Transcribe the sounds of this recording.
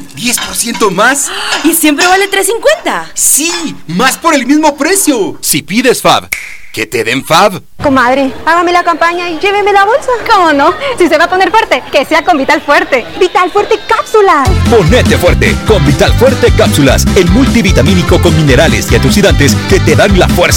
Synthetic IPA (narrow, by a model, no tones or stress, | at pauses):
d̪je̞spo̞ɾsjent̪omasisjempɾe̞βalet̪ɾesiŋkwent̪asimaspo̞ɾe̞lmizmo̞pɾe̞sjo̞sipiðesfa̰β | ket̪eðeɱfaβ | komaðɾepaɣame̞lakampaɲaiʝe̞βeme̞laβolsakomonosis̬eβaponeɾfwe̞ɾt̪e̞keseako̞mbit̪alfweɾt̪ebit̪alfwe̞ɾt̪ekapsulapo̞net̪e̞fweɾt̪e̞̰ko̞mbit̪alfweɾt̪ekapsula̰senmult̪iβit̪amĩniko̞ko̞nmĩne̞ɾalḛsiat̪usiðant̪e̞ske̞t̪e̞ðaŋla̰fweɾsa